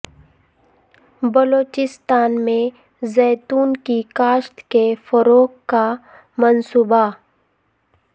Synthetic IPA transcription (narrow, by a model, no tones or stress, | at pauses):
bəloːt͡ʃɪst̪aːnmẽ | zɛːt̪uːnkikaːʃt̪kefəɾoːkːa | mənsuːba